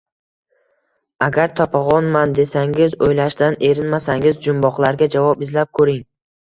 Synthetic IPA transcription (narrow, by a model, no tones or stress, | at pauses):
aɡʲaɾt̪ʰɒpʰaʁɒnmand̪e̞saŋɪzojlaʃd̪ane̞ɾɪnmasaŋɪzd͡ʒʊmbɒqlˠaɾɡʲad͡ʒavɒpɪzlap̚kʰɵɾɪŋ